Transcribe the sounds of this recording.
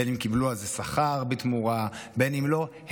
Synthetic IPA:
enimkibluazesaχaʁbit̪muʁabe̞nimlo̞ | h

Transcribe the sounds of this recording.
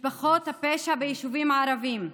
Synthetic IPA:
bɐxoːt̪ɐpeːʃabeiʃuʋiːmaːɾɐʋiːm

